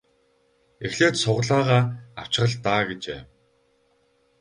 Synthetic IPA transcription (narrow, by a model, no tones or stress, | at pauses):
exɮeːt̪sʊʁɮaːʁaːaw̥t͡ɕ̆ə̆ɮt̪aːɡet͡ɕḛː